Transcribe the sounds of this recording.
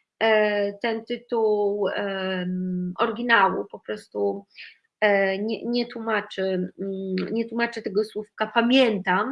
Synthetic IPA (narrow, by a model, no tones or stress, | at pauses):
t̪ɛnt̪ɘt̪uw | ʔɔɾɡʲinawṵpɔpɾɔst̪u | ɲɛɲɛt̪wumat͡ʂɘ | ɲɛt̪wumat͡ʂɘt̪ɛɡɔswufkapamʲjɛnt̪am